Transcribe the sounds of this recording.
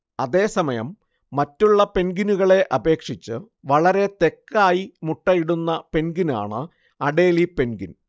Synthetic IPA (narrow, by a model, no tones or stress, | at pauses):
ɐðe̞ːsɐmɐjɐ̰mː | ɐtːuɭːɐpe̞nɡinuɣɐɭe̞ʔɐbe̞ːkʂit͡ɕːɨ | ʋɐɭɐɾe̞t̪e̞kːaːjimuʈːɐjiɽunːɐpe̞nɡina̰ːɳɨ | ɐɽe̞ːlipe̞nɡin